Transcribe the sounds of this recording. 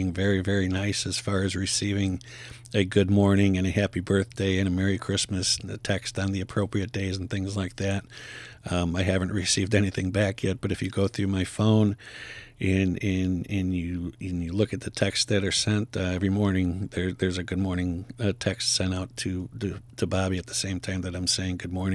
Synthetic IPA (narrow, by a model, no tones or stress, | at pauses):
ɪ̃ŋvɛɹivɛɹinaɪsɨz̥fɑɹɨzɹɨsivɪ̃ŋ | ɨɡʊd̚mɔɹnɪ̃ŋɨ̃ñɨhæpibɜ˞θd̥eɪɨ̃ñɨmɛɹikʰɹ̥ɪsmɨsɨtʰɛkstn̩ðiɨpʰɹ̥oʊpɹiɨt̚d̥eɪzn̩θɪ̃ŋzlaɪk̚ðæt̚ | maɪɦævɨ̃nʔ̚ɹɨsivdɛñiθɪ̃ŋbækʰjɛt̚b̥ʌɾɨfjɨɡoʊθɹʉmaɪfõʊ̃n | ɨ̃nɨ̃nɨ̃njɨɨ̃njɨlʊkɨt̪̚ðɨtʰɛksðɨɾə˞sɛ̃ntɛvɹimɔɹnɪ̃ŋðə˞ðə˞zɨɡʊd̚mɔɹnɪ̃ŋʌtʰɛkstsɛ̃ɾ̃aʊtʰɨɨɾʰɨbɑbiɨt̪̚ðəsẽɪ̃mtʰãɪ̃mðɨɾãɪ̃mseɪɪ̃ŋɡʊd̚mɔɹnɪ̃